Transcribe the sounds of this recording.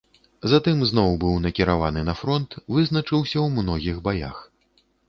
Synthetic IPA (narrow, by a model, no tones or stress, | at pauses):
zat̪ɨmznɔwbɨwnɐkʲiɾavanɨnɐfɾɔnt̪vɨznɐt͡ʂɨwsʲɐwmnɔɣʲiɣbaja̰x